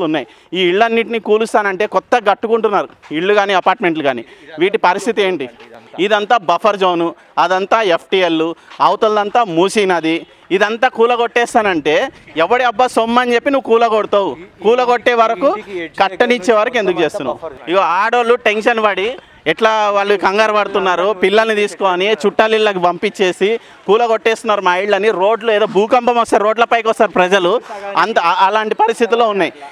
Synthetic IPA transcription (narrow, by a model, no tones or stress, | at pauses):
unːaːji | iːɭːɐnːiʈ̬inikuːlust̪aːnɐɳʈe̞ːkɔt̪ːɐɡɐʈːukuɳʈunːaːɾuiɭːuɡaːniɐpaːɾʈme̞ɳʈluɡaːniʋiːʈipɐɾist̪ʰit̪ie̞ːɳʈiid̪ɐnt̪aːbɐpʰɐɾd͡ʒoːnu | ɐd̪ɐnt̪aːepʰʈiːelːuɐwt̪ɐlːɐnt̪aːmuːsiːnɐd̪iː | d̪ɐnt̪aːkuːlɐɡoʈːɛːst̪aːnɐɳʈe̞ːɛʋːɐɽiɐbːaːsomːɐnt͡ʃe̞pːinuʋːukuːlɐɡoɽut̪aːwukuːlɐɡoʈːeːʋɐɾɐkukɐʈːɐnit͡ʃːeːʋɐɾɐkue̞nd̪ukut͡ʃeːst̪unːa̰uiɡaaːɽoluʈe̞nʃɐnbɐɽi | ɛʈlaːʋaːɭːukɐŋɡaːɾɐpɐɽut̪unːaːɾupilːɐlnit̪iːsu̥koːnit͡ʃuʈːɐlilːɐkibɐmpit͡ʃːe̞ːsi | kuːlɐɡoʈːeːst̪unːaːɾumɐjiɭːɐniɾo̞ːɖlueːd̪oːbʱuːkɐmpɐmɔst̪aːɾo̞ːɖlɐpɐjkɔst̪aːɾupɾɐd͡ʒɐluɐnt̪ɐɐlaːɳʈipɐɾist̪it̪ilːoːunːaːji